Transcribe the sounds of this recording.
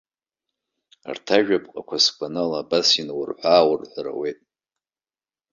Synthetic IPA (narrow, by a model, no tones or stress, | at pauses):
rtʰaʒᶣapʼqʼa̰kʷʰasɡʷanalaːbasinwʊrħʷaːwʊrħʷara̰we̞jtʼ